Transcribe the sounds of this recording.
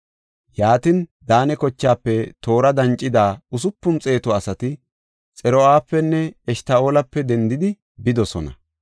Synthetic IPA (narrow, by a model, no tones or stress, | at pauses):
jaːt̪ɪnd̪aːnɛkɔt͡ʃːaːpːɛt̪o̞ːɾɐd̪ɐnt͡ʃʼːɪd̪aːʊs̬ʊpːʊmt͡sʼe̞ːt̪ɔɐsɐt̪ɪ | t͡sʼɛɾɔaːpːɛnːɛɛʃt̪ao̞ːlɐpːɛd̪ɛnd̪ɪd̪ɪ | bɪd̪ɔsɔnɐ̰